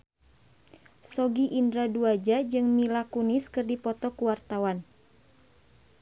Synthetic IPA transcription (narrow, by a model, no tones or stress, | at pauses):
sɔɡiʔindɾaduad͡ʒad͡ʒɨŋmilakuniskɨrdipɔt̪ɔkuwart̪awan